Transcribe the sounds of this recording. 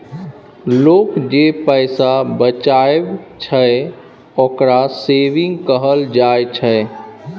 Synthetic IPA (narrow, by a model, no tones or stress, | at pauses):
loːkd͡ʒepəɪsabət͡ʃaebt͡ʃʰəe | okɾaseʋĩŋɡkəɦəld͡ʒajt͡ʃʰə